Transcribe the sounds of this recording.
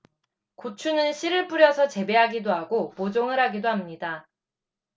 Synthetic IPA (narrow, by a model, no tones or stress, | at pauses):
kot͡ɕʰunɯnɕʰiɾɯɭp͈uɾjʌsʰʌt͡ɕe̞be̞ɦaɡidoɦaɡopod͡ʑoŋɯɾɦaɡidoɦamɲida